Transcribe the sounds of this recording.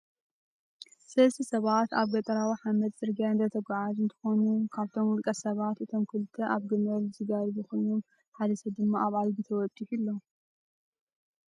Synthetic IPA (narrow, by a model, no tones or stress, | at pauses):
sɐlsʰisɐβat̪aβɡɐt̪ʼɐɾawiħamɐd̪sʼɨɾɡijand̪ʰɐt̪ʰɐɡʷaʕazɨnt̪ʰɨ̥xo̞nukʰaβt̪ʰo̞mwɔlkʼɐsɐβat̪ʔɨt̪ʰo̞mkʰɨlɨt̪ʰːɐʔaβɡɨmɐlzɨɡaɾzɨxonum | ħad̪ɐsɐd̪ɨmːaʔaβajɡit̪ʰɐwɔt̪ʼːiħilːo